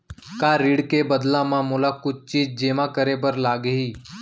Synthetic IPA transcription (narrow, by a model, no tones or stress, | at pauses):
kaːɾɪɽkebəd̪lãmãːmoːlakʊt͡ʃt͡ʃiːd͡ʒd͡ʒeːmãkəɾeːbəɾlaːɡeɦiː